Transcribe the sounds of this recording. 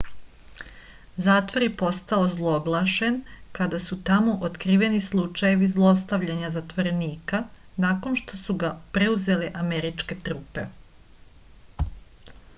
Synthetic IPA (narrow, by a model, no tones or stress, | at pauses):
zaːt̪ʋoɾjipo̞st̪aozlˠo̞ɡlˠaʃe̞nkad̪asut̪amo̞ʔot̪kɾiːʋe̞nislˠut͡ʃaje̞ʋizlˠo̞s̬t̪aʋʎaɲazat̪ʋoɾe̞niːka | nako̞nʃt̪o̞suɡapɾeuze̞le̞ʔameɾit͡ʃke̞t̪ɾuːpe̞